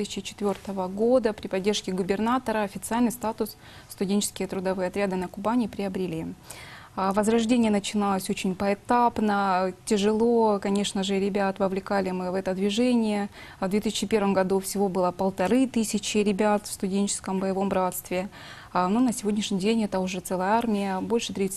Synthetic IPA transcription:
t̪ɨsʲɪt͡ɕɪt͡ɕɪ̥t̪vʲo̞rt̪əvəɡo̞d̪əpɾʲɪpɐdʲːe̞rʂkʲɪɡʊbʲɪrnat̪əɾəɐfʲɪt̪sɨalʲnɨɪjst̪at̪ʊsː | t̪ʊdʲenʲt͡ɕɪ̥skʲɪjət̪ɾʊd̪ɐvɨjɐt̪ɾʲad̪ɨnəkʊbanʲɪpɾʲɪəbɾʲɪlʲi | vəzɾɐʐdʲenʲɪjənət͡ɕɪnalˠəsʲot͡ɕɪnʲpəɛt̪apnətʲɪʐɨlˠo̞kɐnʲe̞ʂnəʐɨɾʲɪbʲat̪vəvlʲɪkalʲɪmɨvɛt̪əd̪vʲɪʐɛnʲɪjə | vd̪vʲet̪ɨsʲt͡ɕɪpʲe̞rvəmɡɐd̪ufsʲɪvo̞bɨlˠəpəlˠt̪ɐɾɨt̪ɨsʲɪt͡ɕɪɾʲɪbʲat̪fst̪ʊdʲenʲt͡ɕɪ̥skəmbəjɪvo̞mbɾat̪st̪vʲɪ | nonəsʲɪvo̞dʲnʲɪʂnʲɪdʲenʲɛt̪əʊʐɛt̪sɛlˠəjəarmʲɪjəbo̞lʲʂɨ̥t̪ɾʲit̪s

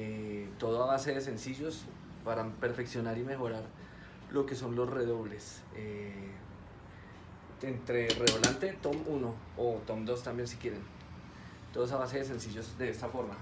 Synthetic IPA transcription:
et̪o̞ð̞oaβase̞ðe̞s̬e̞nsiʝo̞s | paɾape̞ɾfe̞ksjo̞naɾime̞xo̞ɾaɾ | lo̞ke̞so̞nlo̞sre̞ðo̞βle̞s | e | ent̪ɾe̞reðolant̪e̞t̪o̞muno̞ | ot̪o̞md̪o̞st̪ambje̞nsi̥kje̞ɾe̞n | t̪oðos̬aβas̬e̞ðes̬ensiʝo̞zd̪e̞est̪afo̞ɾma

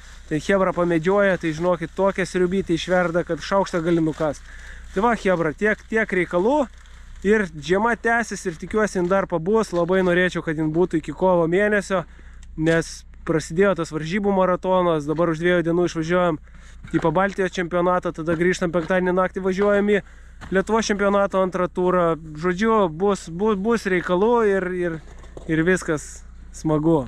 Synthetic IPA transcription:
t̪ʲɛnxʲeːbɾɐpɐmʲɛd͡ʒʲuɔjɛt̪ɐɪʒʲɪnoːkʲɪt̪t̪oːkʲɛsʲɾʲʊbʲiːt̪ʲɛɪʃʲʋʲɛrd̪ɐkɐt̪ʃɐʊkʃt̪ɐɡɐlʲɪnʊkɑst̪ɐɪʋɐxʲeːbɾɐt̪ʲiɛkt̪ʲiɛkɾʲɛɪkɐlˠuː | ɪrʒʲiɛmɐt̪ʲæːsʲɛsʲɪrt̪ʲɪkʲuɔsʲɪɪnd̪ɐrpɐbʊslˠɐbɐɪnoːɾʲeːt͡ʃʲɛʊkɐt̪jɪnbuːt̪ʊɪkʲɪkoːʋomʲeːnʲɛsʲoː | nʲɛs | pɾɐsʲɪd̪ʲeːjoːt̪ɐsʋɐɾʲʒʲiːbuːmɐɾɐt̪oːnɐsd̪ɐbɐɾʊʒd̪ʲʋʲiɛjud̪ʲiɛnuːɪʃʋɐʒʲuɔjɛm | t̪iːpɐbɑlʲt̪ʲɪjoːst͡ʃʲɛmʲpʲoːnɑːt̪ɐt̪ɐd̪ɐɡɾʲiːʃt̪ɐmpʲɛ̃ŋk̚t̪ɑːd̪ʲeɛnʲɪnɑːk̚t̪ʲɪʋɐʒʲuɔjɛmi | lʲiɛt̪ʊʋoːst͡ʃʲɛmʲpʲijoːnɑːt̪oːɐnt̪ɾɐt̪uːɾɐʒoːd͡ʒʲʊbʊsbʊbʊsɾʲɛɪkɐlˠuɪrɪr | ɪrʋʲɪskɐs | smɐɡʊ

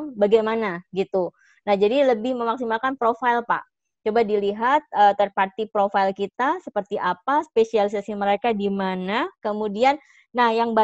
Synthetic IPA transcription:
baɡajmanaɡit̪u | nahd͡ʒadiləbɪhməmaksimakanpɾofailpa̰ʔ | t͡ʃobadiliɦat̪̚ət̪ərpart̪ipɾofailkit̪asəpərt̪iʔapaspesialisasiməɾekadimanakəmudianː | ahjaŋba

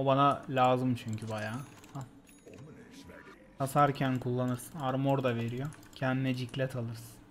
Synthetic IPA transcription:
obanalʲaːzɯmt͡ʃʰyɲcʰybajaː | a | kasaɾcʰænkʰulˠːanɯɾsɯnaɾmo̞ɾd̪ave̞ɾijo̞cʰɛnd̪inɛd͡ʒiclʲɛt̪ʰalˠɯɾsɯ̥n

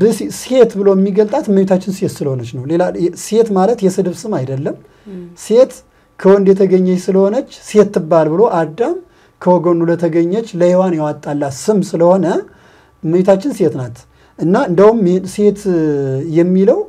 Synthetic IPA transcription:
bɨse̞t̪bɨlo̞jɛmːiɡəlt̪ʼat̪məjut̪ʰat͡ʃːɪnset̪sɨləho̞nət͡ʃːnəwlelase̞t̪malət̪jɛsɨd̪ɨβsɨmajd̪əlːəm | se̞t̪ | kʰəwɔnd̪jɛt̪ʰəɡəɲːəsɨləho̞nət͡ʃːse̞t̪ːɨbːalbɨlo̞ʔad̪ːam | kʰəwɔɡənulət̪ʰəɡəɲːət͡ʃːləhewanjɛwat̪ʼːalːasɨmsɨləho̞nə | məjut̪ʰat͡ʃːɪnset̪nat̪ | ʔɨnːaɨnd̪awumse̞t̪jɛmːiləw

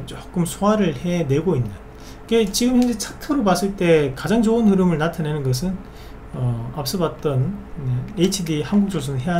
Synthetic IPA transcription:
t͡ɕok͈ɯmsʰoɦaɾɯɭhe̞ne̞ɡoinːa | iɡe̞t͡ɕiɡɯmhʰend͡ʑet͡ɕʰatʰɯɾopas͈ɯɭt͈e̞kad͡ʑaŋt͡ɕoɯnhɯɾɯmɯɭnatʰanenɯnɡʌs̬ʰɯn | ʌap̚s͈ɯbat̚t͈ʌn | et͡ɕʰidihanɡuk̚t͡ɕ͈os̬ʰʌnɯnɦe̞a

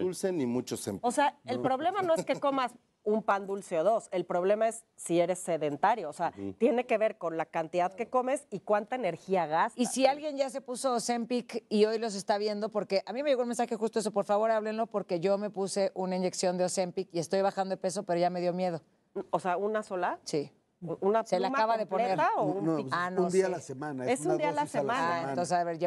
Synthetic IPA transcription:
ulsenimut͡ʃosḛmposeaelpɾo̞βle̞mano̞eskeko̞mas | umpand̪ulseoðo̞se̞lpɾo̞βle̞maesːie̞ɾe̞sːe̞ðe̞nt̪aɾjo̞ːseat̪je̞ne̞ke̞βe̞ɾko̞nlakant̪iðaðke̞ko̞me̞sikwant̪aene̞ɾxiaɣastisialɣje̞nɟ͡ʝas̬e̞puso̞ːse̞mpikio̞jlo̞s̬est̪aβ̞je̞nd̪o̞po̞ɾke̞ʔamĩmeʝe̞ɣonmens̬axe̞xus̬t̪oes̬o̞p̬o̞ɾfaβo̞ɾaβle̞nlo̞po̞ɾke̞ʝo̞me̞puse̞ʔunaind͡ʒe̞ksjo̞nd̪eose̞mpikie̞st̪o̞jβaxand̪oepe̞so̞pe̞ɾo̞ʝame̞ð̞jo̞mje̞ð̞o̞ | oseaunaso̞lasi | unasellakaβaðepoeneɾtaounanoũd̪ialasemãnaeesund̪ialasemãnonsesaβeɾʝa

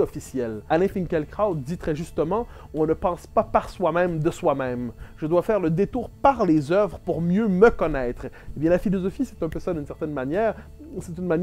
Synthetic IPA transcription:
ɔfisjɛlanefĩŋkɛlkχawt̪̚d̪it̪χɛʒyst̪əmɑ̃ | ɔ̃nəpɑ̃spapaʁswamɛ̃md̪əswamɛ̃mʒ̥əd̪wafɛːʁləd̪et̪uːʁpaʁlezœvʁəpuʁmjøməkɔnɛːt̪χebjɛ̃lafilɔzɔfisɛt̪ɛ̃pøsad̪ynsɛʁt̪ɛnmanjɛːʁ | sɛt̪ynman

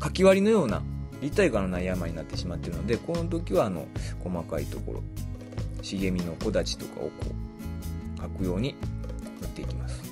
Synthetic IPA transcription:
kakʲiβaɾʲino̞jo̞ːna̰ɾʲit̪ːaiɡano̞naijamaɲ̟inat̪ːe̞ɕimat̪ːe̞ɾɯ̟no̞d̪e̞ko̞not̪̬o̞kʲiβaːno̞̰ko̞makaḭt̪o̞ko̞̰ɾo̞̰ | ɕiɡe̞mʲino̞ko̞d̪at͡ɕi̥t̪o̞ka̰oko̰ː | kakɯ̟jo̞ːɲ̟inot̪ːe̞ikʲimasɨ̥

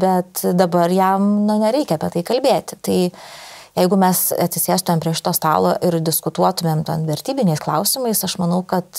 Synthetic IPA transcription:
bʲɛt̪d̪ɐbɐrjɛmnʊnʲɛɾʲɛɪkʲɛɐpʲiɛt̪ɐɪkɐlʲbʲeːt̪ʲt̪ɐɪjɛɪɡʊmʲɛsɐt̪ʲsʲɪsʲeːst̪ʊmʲeːmpʲɾʲiɛʃʲɪ̥t̪oːst̪ɑ̰ːlˠoːʔɪɾd̪ʲɪskʊt̪uɔt̪ʊmʲeːmt̪ʲɛnʋʲɛɾʲt̪ʲiːbʲɪnʲɛɪsklˠɐʊsʲɪmɐɪsɐʃmɐnɐʊkɐt̪

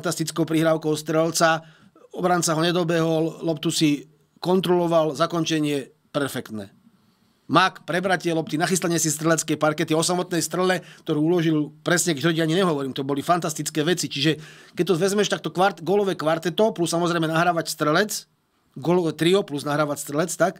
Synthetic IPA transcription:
nt̪ast̪it͡skɔʊpɾiɦɾaːʊkɔʊst̪ɾɛlt͡sa | ɔbɾant͡saɦɔɲɛd̪ɔbɛɦɔllɔp̚t̪usi | kɔnt̪ɾɔlɔʋalzakɔnt͡ʃɛɲɪɛ | pɛɾfɛkt̪nɛ̰ | makpɾɛbɾacɪɛlɔp̚t̪inaxist̪aɲɪɛsist̪ɾɛlɛt͡skɛpaɾkɛt̪iɔsamɔt̪nɛjst̪ɾɛlɛkt̪ɔɾuːulɔʒilpɾɛsɲɛkɛɾɔɟiaɲiɲɛɦɔʋɔɾiːmt̪ɔbɔlifant̪ast̪it͡skɛːʋɛt͡sit͡ʃiʒɛkɛc̚t̪ɔzʋɛzmɛʃt̪ak̚t̪ɔkʋaɾtɡɔːlɔʋɛkʋaɾt̪ɛt̪ɔplussːamɔzɾɛjmɛnaɦɾaːʋacst̪ɾɛlɛt͡s | ɡɔːlɔʋɛt̪ɾiɔpluznaɦɾaːʋacst̪ɾɛlɛt͡st̪ak

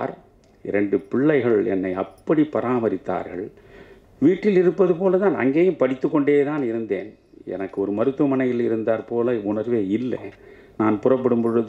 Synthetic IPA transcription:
ɾ | ɪɾɛɳɖɯpɪɭːɐɪɣɐɭɛ̰nːɐɪɐpːɐɽipːɐɾaːmɐɾɪt̪ːa̰ːɾɣɐɭ | ʋiːʈːɪlɪɾɯpːɐðɯpoːlɐt̪aːnɐ̰ŋɡeːjɯmpɐɽɪt̪ːɯkːɔɳɖeːt̪aːnɪɾɯnd̪ḛːn | ɛ̰nɐkːɯɔɾɯmɐɾɯt̪ːɯmɐnɐjɪlɪɾɯnd̪aːɾpoːlɐʊnɐɾʋeːɪlːɛ̰ | naːnpʊrɐp̬ːɐɽɯmbɯɾɐð

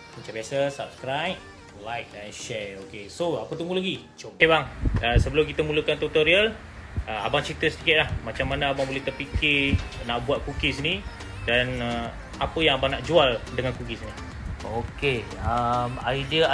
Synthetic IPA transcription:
mət͡ʃãbiasəsap̚skɾajp̚ | lajk̚ajʃɛokesoapət̪̬uŋɡulaɡi | t͡ʃokebaŋəsəbəlʊmkit̪əmulukant̪ut̪oɾiəl | əa̰baŋt͡ʃit̪əsədikɪt̪̚lahmat͡ʃamːanaabaŋbolɛht̪ərpikɪnaʔbuat̪̚kukisəni | danə | apəjaŋabaŋnaʔd͡ʒualdəŋankukisəni | okeəmaidiə

